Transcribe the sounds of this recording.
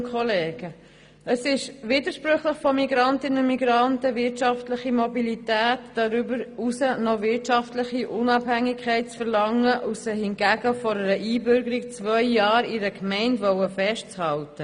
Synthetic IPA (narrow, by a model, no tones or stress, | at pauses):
kʰχɔleːɡ̥ə | əsɪʃʋidəɾʃpɾʉχləχfɔmiɡɾɑntɪnənmiɡɾɑntəʋɪɾtʃɑftləχimɔbilitæːtːɑɾybəɾusənoʋɪtʃɑftləχiʔʊnɑbhæŋikʰχɛɪt̚t͡sfəɾlɑŋːəʔusəhɪnɡæɡəfɔɾəɾəʔiːbʏɾɡəɾik̚t͡svœʏjɑːɾɪɾəkmɛɪntʋɔwəfɛʃt̚t͡shɑltə